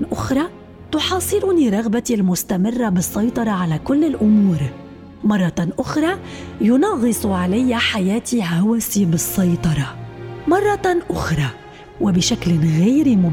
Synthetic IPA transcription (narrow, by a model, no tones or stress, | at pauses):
ʔʊxɾˤɑ | t̪ʊħɑːsˤɨlʊniɾˤɑɣbat̪ilmʊst̪amɪrˤːabɨsˤːɑjt̪ˤɑɾˤɑʕalakʊlːɪlʔʊmuːɾ | mɑrˤːɑʔʊxɾˤɑjʊnɑɣɨsˤʕalajːaħajaːt̪iɦawasibɨsˤːɑjt̪ˤɑɾˤɑmɑrˤːɑʔʊxɾˤɑ | wɪbɪʃaklɪɣaːɾmʊ